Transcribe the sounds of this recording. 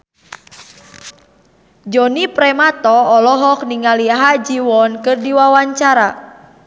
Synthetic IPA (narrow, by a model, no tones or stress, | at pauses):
d͡ʒɔnipɾɛmat̪ɔːlɔɦɔk̚niŋaliaɦad͡ʒiwɔnkɨrdiwawaɲt͡ʃaɾa